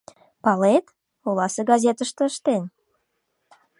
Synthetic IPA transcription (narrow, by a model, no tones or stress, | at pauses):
pɑlet̪ | olɑseɡɑzʲet̪əʃt̪ɤəʃt̪en